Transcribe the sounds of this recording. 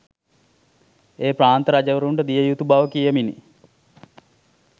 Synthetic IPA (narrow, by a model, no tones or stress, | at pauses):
eːpraːnt̪əɾad͡ʒəʋəɾuɳɖəd̪ijəjut̪ubaʋəkijəminḭ